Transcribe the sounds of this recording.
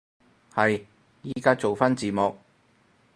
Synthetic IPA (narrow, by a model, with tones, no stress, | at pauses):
hɐ˨j | jiː˦˥kaː˥t͡so˨wfaː˥nt͡siː˨˩mɔ˨k̚